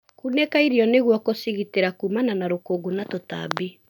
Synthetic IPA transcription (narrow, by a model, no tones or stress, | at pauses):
kunɛkaiɾiɔneɣwɔkosiɣiteɾakumananaɾokoːɡonatota̰bi